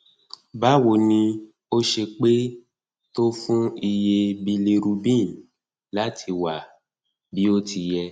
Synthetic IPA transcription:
ba˨˦wo˨nĩ˧ | o˦ʃe˧k͡pe˦ | to˦fũ˦i˧je˧bi˧li˧ɾu˧bĩ˦˨ | la˨˦tʰi˧wa˨ | bi˨˦o˦tʰi˧jɛ˧

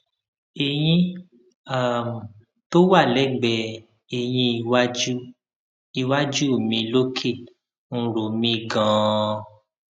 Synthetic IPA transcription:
e˨j̃ĩ˦ | a˦˨m̩˨ | to˦wa˦˨lɛ˨˦ɡ͡bɛ˧˨ | e˧j̃ĩ˧i˧wa˦d͡ʒu˦ | i˧wa˦d͡ʒu˦˨mĩ˧lo˦kʰe˦˨ | ñ̩˦˧ɾo˨mĩ˧ɡã˨˦

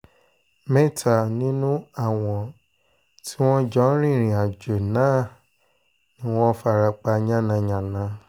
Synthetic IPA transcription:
mɛ̃˦˨tʰa˨nĩ˦nũ˦a˦˨w̃ɔ̃˨ | tʰi˦w̃ɔ̃˦d͡ʒɔ̃˨˦ɾ̃ĩ˦˨ɾ̃ĩ˨a˨d͡ʒo˨nãː˦˨ | nĩ˦w̃ɔ̃˦fa˧˨ɾa˧k͡pa˧ɲã˦nã˧ɲã˨nã˨˧˦

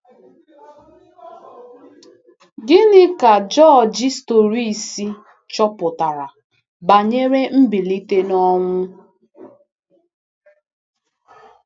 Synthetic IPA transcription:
ɡɪ˦nɪ˦ka˨d͡ʒɔ˦˨d͡ʒi˦sto˨ɾi˦˨si˦ | t͡ʃɔ˦pʊ˨ta˨ɾa˨ | ba˨ɲe˦ɾe˦m̩˦bi˨li˦te˦nɔ˦ŋʷʊ˦

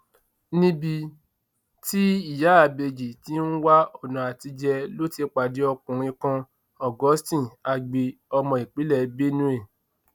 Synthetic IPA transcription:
nĩ˦bi˧ | ti˦i˦˨ja˨˦a˨be˧d͡ʒi˨ti˦n̩˦wa˦o˦˨nã˨a˨ti˧d͡ʒɛ˧lo˦ti˦k͡pa˨di˨˦ɔ˧kũ˨ɾ̃ĩ˧kã˧ | ɔ˨ɡɔ˨˦stĩ˦˨a˧ɡ͡be˧ɔ˧mɔ̃˧˨i˨k͡pi˨˦lɛ˦˨be˦nũ˦e˦˨

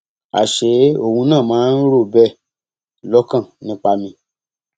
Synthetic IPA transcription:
a̰˨ʃe˨˦o˧˨hũ˧nãː˦˨mãː˨˦n̩˦ɾo˦˨bɛ˦˨ | lɔ˦kã˦˨nĩ˨˦k͡pa˧mĩ˧

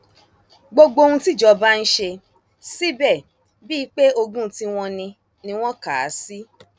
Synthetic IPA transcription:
ɡ͡bo˧ɡ͡bo˧o˧ũ˧ti˦˨d͡ʒɔ˧ba˦n̩˦ʃe˧ | si˦bɛ˦˨ | bi˦k͡pe˦o˧ɡũ˦ti˧w̃ɔ̃˧nĩ˧ | nĩ˧w̃ɔ̃˦ka˨˦si˦

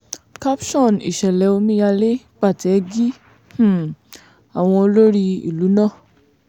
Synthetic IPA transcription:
ka˦pʃɔ̃˦˨nḭ˨ʃɛ˨lɛ˨˦o˧mĩ˦ja˧le˦ | k͡pa˦˨ti˨ɛ˧ɡi˦ | h̩˦˨ | a˨w̃ɔ̃˧o˧lo˦ɾi˦ḭ˨lu˨˦nã˦˨

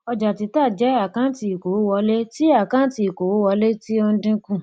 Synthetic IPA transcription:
ɔ˧d͡ʒa˨ti˧˦ta˦˨d͡ʒɛ˨˦a˦˨kã˦ti˧i˨ko˨wwɔ˧le˦ti˦a˦˨kã˦ti˧i˨ko˨wo˦wɔ˧le˦ti˦ɔ˧n̩˦dĩ˦kũ˦˨

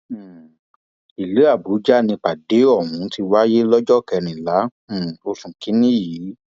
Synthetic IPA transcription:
i˨le˨˦a˦˨bu˨˦d͡ʒa˦˨nĩ˧k͡pa˨de˨˦ɔ˦˨wũ˨˦ti˧wa˦je˦lɔ˦d͡ʒɔ˦˨kɛ˧nĩ˨lã˨˦˨ | o˧sũ˨ki˨˦nĩ˦jiː˨˦

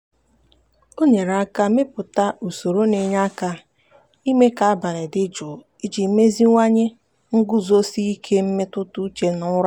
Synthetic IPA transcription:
o˦ɲe˨ɾa˦ka˦mɪ˦pʊ˨ta˦ʔu˨so˨ɾo˦ne˨ɲa˦ka˦ | i˦me˦ka˨a˦ba˨ɾe˨dɪ˦d͡ʒʊ˨ | i˦d͡ʒi˨˦me˦zi˦ŋʷa˦ɲe˦ | ŋ̩˦ɡʊ˦zo˦si˦i˦kʰe˦m̩˦me˦tʊ˦tʊ˦t͡ʃe˦nʊ˦ɾa˦

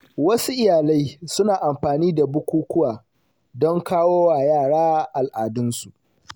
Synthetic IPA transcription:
wɐ˦su˦ʔɪ˦jaː˨la˦jsʊ˦naː˨ʔa˨mɸaː˨niː˦da˨bʊ˦kʷuː˦kʷʊ˦waː˨ | dɔ˦ŋkaː˦woː˦waː˨jaː˦˨ɽaː˦ʔa˨lʔaː˨dʊ˦nsu˨ʔ

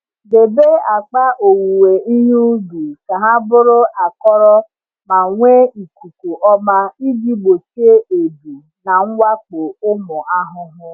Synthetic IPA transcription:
de˨be˦a˨k͡pa˦ʔo˨wu˨we˨i˦ɲu˦du˨ka˨ɦa˦bʊ˦ɾʊ˦ʔa˨kɔ˦ɾɔ˦ | ma˨ŋʷe˦i˨ku˨ku˨ʔɔ˦ma˦i˦ɡi˦ɡ͡bo˨si˦e˦e˨du˨ | na˨ŋ̩˦wa˦k͡po˨ʊ˦mʊ˨a˦ɦʊ˦ɦʊ˦

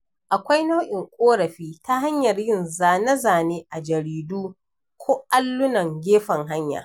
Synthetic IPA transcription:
ʔa˨kʷa˦jna˦wʔɪ˨ŋkʷʼoː˦ɾɐ˨ɸiː˦ta˦ɦa˦ɲjɐ˨rjɪ˦˨nzaː˨nɐ˦zaː˨neː˦ʔa˨d͡ʒɐ˨ɾiː˨duː˦ | kʷʰoː˦ʔa˦lːʊ˦nɐ˨ŋɡʲeː˦ɸɐ˨ŋɦa˦ɲja̰ː˨

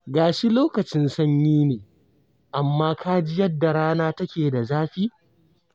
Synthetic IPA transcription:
ɡaː˨ʃi˦loː˦kɐ˨t͡ʃɪ˦nsɐ˦ɲjiː˦neː˨ | ʔa˨mːaː˦kʰaː˦d͡ʒɪ˦jɐ˦dːa˨ɽaː˦naː˦tɐ˦kʲeː˨da˨zaː˦ɸiː˦

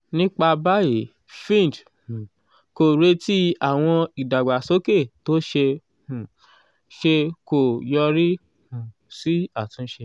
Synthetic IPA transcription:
nĩ˦k͡pa˧ba˦je˨˦ | fĩ˦˨d̃ | ko˨ɾe˦ti˦a˦˨w̃ɔ̃˧i˨da˨ɡ͡ba˨so˨˦ke˦˨to˦ʃe˧ | hũ˨ | ʃe˧ko˨jɔ˧ɾi˦ | hũ˨ | si˦a˦˨tũ˨˦ʃe˧

